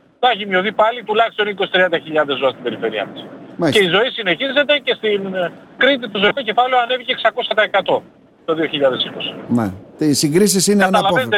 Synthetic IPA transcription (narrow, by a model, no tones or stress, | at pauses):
ðɐçimo̞θipɐlit̪ulɐçist̪o̞niko̞si̥t̪ɾiɐnd̪ɐçiʎɐndðezoɐst̪ibe̞ɾife̞ɾiɐ̰t̪ɐsmeceizo̞isine̞çize̞t̪e̞ce̞st̪in | kɾit̪̬it̪ozoiko̞ce̞fɐleoɐne̞viceːksɐko̞sɐt̪ɐekɐt̪o̞ | t̪o̞ðio̞çiʎɐðe̞siko̞si̥nḛisiŋɡɾis̬isineɐnɐlɐoent̪e